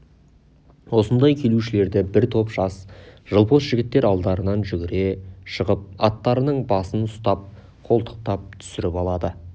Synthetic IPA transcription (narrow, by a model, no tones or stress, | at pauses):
wo̞sənd̪ɑjkʲʰe̞luʃɪle̞ɾd̪ɪbɪɾt̪ʰo̞pʒ̥ɑsʒ̥əlˠpʰo̞sʒ̥ɪɡʲɪt̪ːe̞ɾɑlˠd̪ɑɾənɑnʒʏɡʲɪɾe̞ʃəʁəp̚ɑt̪ːɑɾənəɴbɑsənʊst̪ɑp̚ | qʰo̞lˠt̪ʰə̥q̚t̪ɑp̚t̪ʰʏ̥sɪɾɪpɑlˠɑd̪ə